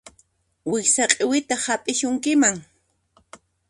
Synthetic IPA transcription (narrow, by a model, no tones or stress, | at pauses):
wɪsaqʼɪwɪt̪ahapʼɪʃʊŋkɪmaŋ